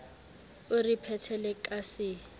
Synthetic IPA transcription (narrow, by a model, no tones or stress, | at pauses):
ʊripʰɛtʰɛlɪkʼasɪ